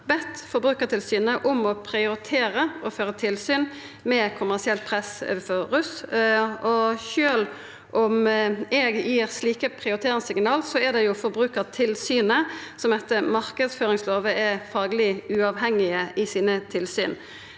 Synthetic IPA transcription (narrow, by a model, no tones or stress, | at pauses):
bɛt̪fɔɾbʁʉːkəʁt̪ʰɪlsyːnəʔʊmɔpʰʁɪʊɾɪt̪ʰeːɾəɔføːʁət̪ʰɪlsyːn | mɛkʰʊmæʁsɪɛlt̪̚pʰʁɛsfɔʁʉs | ɔçøːl | ʔʊmɛɡjiːʁsliːkəpʰʁɪʊɾɪt̪ʰeːɾɪŋsɪŋnɑːlsɔɛd̪ɛjʊfɔɾbʁʉːkəʁt̪ʰɪlsyːnəsɔmd̪ɛt̪ːəmɑʁkəd̪sføːʁɪŋsloːʋəɛfɑːɡəlɪʉɑʋɦɛŋːɪəʔɪsiːnət̪ʰɪlsy̰ːn